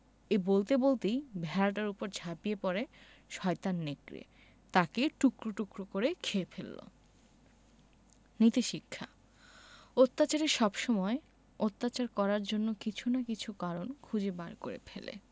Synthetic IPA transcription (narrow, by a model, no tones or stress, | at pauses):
ebolt̪ebolt̪ijbʱɛɾaʈ̬aɾupoɾd͡ʑʱapiepɔɾe | ʃɔet̪anːekɾḛ | t̪akeʈukɾoʈukɾokoɾekʰeepʰelːo̰ | nit̪iʃikʰːa | ot̪ːat͡ɕaɾeɾʃɔbʃɔmɔe | ot̪ːat͡ɕaɾkɔɾaɾd͡ʑonːokit͡ɕʰunakit͡ɕʰukaɾonkʰud͡ʑebaɾkoɾḛpʰelḛ